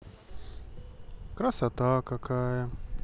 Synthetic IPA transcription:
kɾɐsɐt̪akɐkʰaːjɐ

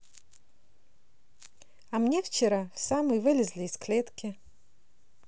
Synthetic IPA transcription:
ɐmnʲeft͡ɕɪɾafsamɨjvɨlʲɪzʲlʲɪːsklʲet̪kʲɪ

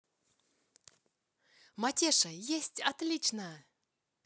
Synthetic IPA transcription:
matʲeʂɐjesʲtʲat̪lʲit͡ɕnəj

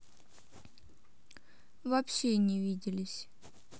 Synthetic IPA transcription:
vɐpɕenʲɪvʲidʲɪlʲɪsʲ

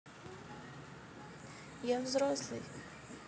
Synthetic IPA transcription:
javzrɔslˠɨj

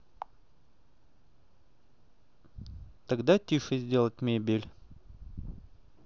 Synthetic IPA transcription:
t̪ɐɡd̪atʲiʂɨzʲdʲe̞lˠət̚ʲmʲebʲɪlʲ

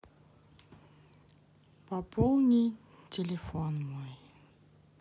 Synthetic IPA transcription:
papɔlˠnʲij | tʲelʲefɔnmɔj

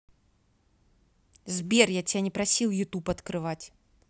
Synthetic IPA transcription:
zʲbʲɛrjat͡sʲijanʲɛpɾasʲiwjut̪upɐt̪kɾɨvat͡sʲ

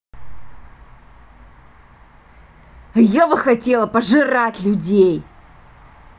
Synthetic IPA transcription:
jabɨxɐtʲelˠəpəʐɨratʲlʲʊdʲej

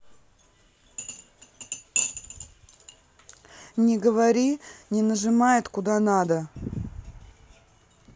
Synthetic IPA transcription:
nʲɪɡəvɐɾʲinʲɪnəʐɨmajɪt̪kʊd̪anad̪ə

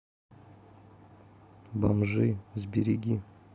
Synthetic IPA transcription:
bamʐɨzʲbʲeɾʲiɡʲi

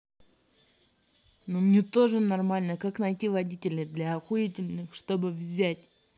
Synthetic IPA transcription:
numnʲet̪o̞ʐɨnɐrmalʲnəkaknɐjtʲivɐdʲitʲɪlʲɪd̪lʲaːxʊitʲɪlʲnɨxʂt̪o̞bɨvzʲætʲ

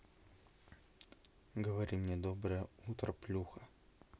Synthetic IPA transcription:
ɡəvɐɾʲimnʲed̪obɾəjəut̪ɾɐplʲuxɐ

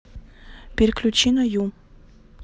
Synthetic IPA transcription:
pʲɪɾʲklʲut͡ɕinɐju

